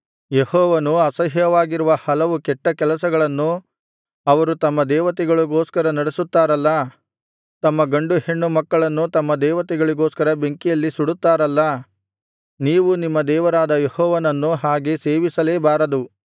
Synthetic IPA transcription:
jehɔːʋɐnuɐsɐɦjɐʋaːɡiɾuʋɐhɐlɐʋukɛʈːɐkɛlɐsɐɡɐɭɐnːu | ɐʋɐɾut̪ɐmːɐd̪ɛːʋɐt̪ɛɡɐɭuɡoːskɐɾɐnɐɽesut̪ːaːɾɐlːɐ | t̪ɐmːɐɡɐɳɖuheɳːumɐkːɐɭɐnːut̪ɐmːɐd̪ɛːʋɐt̪ɛɡɐɭiɡoːskɐɾɐbe̞ŋkijɐlːisuɽut̪ːaːɾɐlːɐ | niːʋunimːɐd̪ɛːʋɐɾaːd̪ɐjehɔːʋɐnɐnːuɦaːɡe̞seːʋisɐleːbaːɾɐd̪u

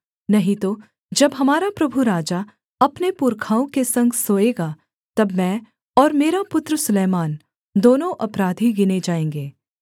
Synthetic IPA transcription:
nɐɦĩt̪o | d͡ʒɐbɦɐmaːɾapɾɐbʱuɾaːd͡ʒa | ɐpnepʊɾkʰaːõkesɐ̃ŋɡsoːeːɡa | t̪ɐbmɛ̃ː | ɔːɾmeːɾapʊt̪ɾəsʊlɛːmaːn | d̪oːnõʔɐpɾaːd̪ʱiɡɪned͡ʒaːẽːŋɡeː

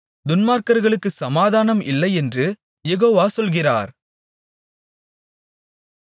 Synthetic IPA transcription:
d̪ʊnmaːɾkɐɾɣɐɭɯkːɯsɐmaːðaːnɐmɪ̰lːɐɪɛndrɯ | jɛɣoːʋaːsɔlɣɪra̰ːɾ

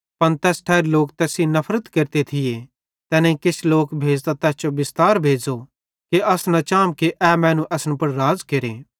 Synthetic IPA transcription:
pɐnt̪ɛːsʈʰɛːɾloːk̚t̪ɛːsinɐpʰɾət̪kɐɾt̪et̪ʰɪje | t̪ɛːnẽikɪt͡ʃʰloːkbʱeːd͡ʒt̪at̪ɛːst͡ʃobɪst̪aːɾbʱeːd͡zo | keɐsnɐt͡ʃãːmkeʔɛmɛ̃ːnũʔɛːsəñpɐɽɾaːd͡zkeɾeː

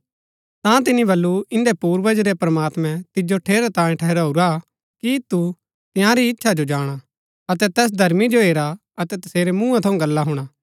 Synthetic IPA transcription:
t̪ãt̪ɪnibɐlːuɪ̃nd̪epuːɾʋɐd͡ʒɾepɾɐmaːt̪mɛ̃t̪ɪd͡ʒoʈʰeːɾat̪ãːjĩʈʰɛɦɾaːuɾa | kit̪u | t̪ɪjãɾiɪtːʃʰad͡ʒod͡ʒaːɽ̃a | ɐt̪ɛt̪ɛːs̬d̪ʱɐɾmid͡ʒoeːɾa | ɐt̪ɛt̪ɐseːɾemũːãt̪ʰɐũɡɐlːaɦʊɽ̃aː

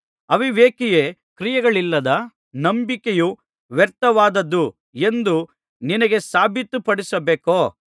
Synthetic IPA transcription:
ɐʋiʋeːkijeː | kɾijɐɡɐɭilːɐd̪ɐ | nɐmbikeju | ʋɛɾt̪ɐʋaːd̪ɐd̪ːu | e̞nd̪u | ninɐɡe̞saːbʱit̪ːupɐɽisɐbeːkoː

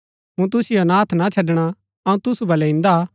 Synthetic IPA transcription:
mũt̪ʊsɪjonãːt̪ʰnat͡ʃʰɐɖɽ̃a | ɐũt̪ʊsubɐlɛĩnd̪a

